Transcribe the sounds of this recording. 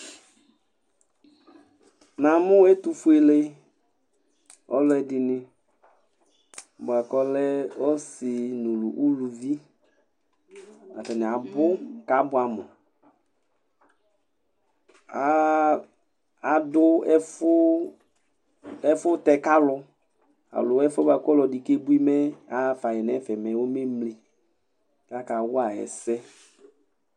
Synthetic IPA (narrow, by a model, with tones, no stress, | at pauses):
nã˨mʊ̃˦ɛ˦tu˨fʊ˦e˨le˦ | ɔ˦lʊ˦ɛ˨dɪ˨nɪ̃˦˨ | ba˨kɔ˦lɛ˦ɔ˦sɪ˨nu˨lu˨ʔu˦lu˨vi˦ | a̰˨tɛ˨nɪ̃˨a˨bʊ˦ka˨˦bʊ˨˦a˨mʊ̰˨ | a˦ | a˨dʊ˦ɛ˦fʊ˦ | ɛ˦fʊ˦tɛ˨ka˦lʊ˧ | a̰˨lʊ˨˦ɛ˦fɔ˦ba˨kɔ˦lɔ˨di˨ke˦bu˦i˦mɛ˦a˨˦fa˨jɛ˨nɛ˨˦fɛ˨mɛ˨wo˦me˦mli˨ | ka˦ka˨wʊ˦a˨ɛ̰˨sɛ˦